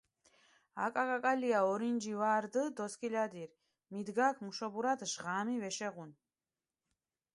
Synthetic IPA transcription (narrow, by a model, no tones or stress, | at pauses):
a̰kʼakʼakʼaliaɔɾind͡ʒivaːɾd̪əd̪ɔskʰʼilad̪iɾ | mid̪ɡaːkʰmuʃɔbuɾad̪ʒʁamivɛʃɛʁun